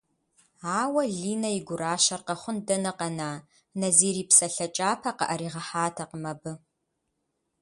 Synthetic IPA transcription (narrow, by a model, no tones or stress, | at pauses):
aːwɐɮiːnɐjɪɡʷʊraːʃɐrqɐχʷʊndɐnɐqɐnaː | nɐziːɾiːpsɐɬɐt͡ʃʼaːpʰɐqɐ̰ʔɐɾiːʁɐħaːtʰɐqəmɐbɨ